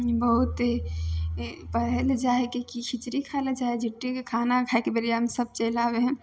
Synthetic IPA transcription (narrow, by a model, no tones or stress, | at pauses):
bəɦut̪ | pəɦeld͡ʒaekekikʰit͡ʃɾikʰald͡ʒaed͡ʒʱiʈːikekʰanakʰaekebeɾijamesəb̚t͡ʃelabeɦ